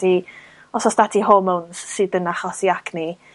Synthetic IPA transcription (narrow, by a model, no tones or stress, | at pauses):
i | ɔsɔsdadʰiɦoməwnssɨdənaχɔsiakʰni